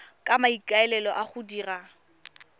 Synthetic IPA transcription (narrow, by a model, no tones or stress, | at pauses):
kʼamaikʼaɛlɛlɔʔaχʊdiːra